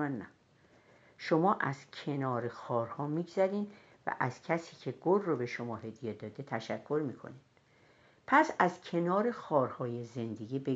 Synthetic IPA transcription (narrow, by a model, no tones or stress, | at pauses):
nnæ | ʃomɒːʔæz̥cʰe̞nɒːɾexɒːɾhɒːmiːɡzæɾiːn | væ̰ʔæz̥cʰæsiːcʰe̞ɡolːobe̞ʃomɒːɦe̞d̪jed̪ɒːd̪e̞t̪ʰæʃækʰːoɾmikʰo̰nid̪̥ | pʰæsæzcʰe̞nɒːɾe̞xɒːɾhɒːjeze̞nd̪e̞ɡʲiːbe